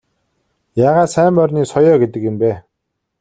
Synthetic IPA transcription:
jaːʁaːt̪sæːmpœrʲniːsɔjɔːɡet̪̬ɘ̆kjɪ̆mpeː

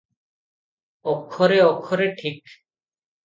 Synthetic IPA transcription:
ɔkʰːɔɾeɔkʰːɔɾeʈʰik

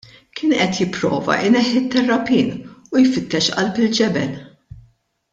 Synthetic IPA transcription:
kʰɪːnʔɛt̪jɪpːɾɔ̰ːvɐ̰ʔɪnɛħːɪt̪ːɛrːɐpiːnujfɪt̪ːɛʃʔɐ̰lpɪld͡ʒɛbɛl

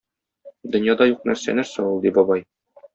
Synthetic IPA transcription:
d̪ɵ̆njɑd̪ɑjuq̚næɾsæ̰næɾsæulˠd̪ibɒbɑj

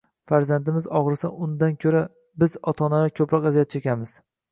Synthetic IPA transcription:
faɾzand̪ɪmɪzɒʁɾɪsa̰ʊnd̪ankʲʰɵɾa | bɪzɒt̪ʰɒnaakʲʰɵpɾɒqazijat̪̚t͡ʃʰekʲamɪz̥

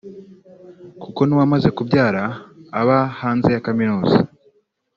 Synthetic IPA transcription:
kuko̞niwamaze̞kubjaːɾaːβahaːnze̞jakaminoːza̰

